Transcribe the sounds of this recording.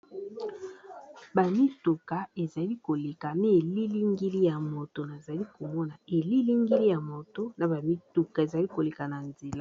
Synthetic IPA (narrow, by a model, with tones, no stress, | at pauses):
ba˨mi˦tu˨ka˨e˨za˨li˦ko˨le˨ka˨ne˦e˨li˦li˦ŋɡi˦li˦ja˨mo˨to˨na˨za˨li˦ko˨mɔ˦na˨e˨li˦li˦ŋɡi˦li˦ja˨mo˨to˦na˨ba˨mi˦tu˨ka˨e˨za˨li˦ko˨le˨ka˨na˨nze˨la˦